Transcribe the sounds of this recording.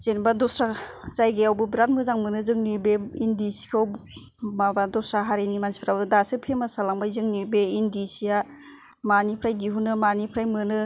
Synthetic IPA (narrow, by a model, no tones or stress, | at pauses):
z̥enbadɔsɾazajɡeawbɯbɾantmɯzaŋmɯnɯzɯŋnibeindisi̥kʰaw | mabadɔsɾaɦaɾenimansi̥pʰɾawɯdasɯpʰemasalaŋbajzɯŋnibeindisija | manipʰɾajdiɦunɯmanipʰɾajmɯnɯ